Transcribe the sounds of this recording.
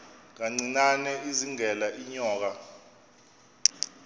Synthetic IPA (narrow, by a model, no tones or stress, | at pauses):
ŋ̬aŋ͡ǀinanɛiziŋɛlaʔiɲɔːk̬a